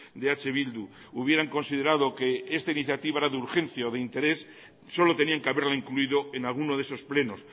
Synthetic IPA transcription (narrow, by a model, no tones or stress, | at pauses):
d̪e̞at͡ʃe̞β̞ild̪u | uβje̞ɾaŋko̞nsið̞e̞ɾað̞o̞ke̞est̪ainiθjat̪iβaeɾaðeuɾxẽ̞n̟θjaoðeint̪e̞ɾe̞sː | o̞lo̞t̪e̞niaŋkeaβe̞ɾlaiŋkluiðo̞enalɣ̞unoðeso̞sple̞no̞s